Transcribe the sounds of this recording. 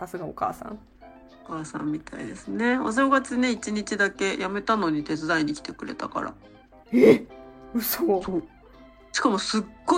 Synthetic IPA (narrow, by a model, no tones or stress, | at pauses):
sasɨɡaoka̰ːsã̰ŋ | okaːsã̰mʲːit̪ʰaḭd̪esɨne̞os̬ẽŋɡat͡sɨneit͡ɕiɲ̟it͡ɕid̪ake̞jame̞t̪ano̞ɲ̟it̪e̞t͡sɨd̪aiɲ̟ikʲi̥t̪e̞kɯ̟ɾe̞̰t̪aka̰ɾa̰ | e | soːoː | ɕi̥kamo̞sɨɡ̥ːo